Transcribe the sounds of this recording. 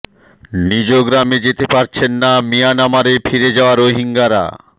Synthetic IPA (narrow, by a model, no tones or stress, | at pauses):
nid͡ʑoɡɾamed͡ʑet̪epaɾt͡ɕʰenːamijanamaɾefʰiɾed͡ʑaoaɾoɦiŋɡaɾa̰